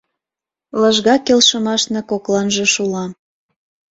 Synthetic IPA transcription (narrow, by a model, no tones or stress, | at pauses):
ləʒɣɑkelʃə̆mɑʃnɤ̆koklɑnʒĕʃulɑ